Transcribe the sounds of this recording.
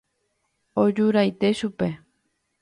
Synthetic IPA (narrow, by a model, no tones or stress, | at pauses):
od͡ʒuɾajt̪eʃupe